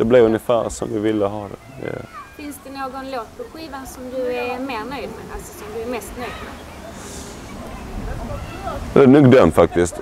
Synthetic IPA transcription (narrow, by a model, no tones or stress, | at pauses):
d̪̥ɛblɪɾɵnːɪfæːɾsɔ̰mvɪvɪlːəɦɑːd̪ɛd̪ɛ̰fɪnsd̪ɛnoːɡɔnloːt̪̚pʰɔɧiːvansɔmd̪ɵæɾmeːɾnœjd̪mɛ̰alsɔ̥sɔmd̪ɵæɾmɛst̪nœjd̪mɛ | ɛnʉɡd̪œmfak̚t̪ɪst̪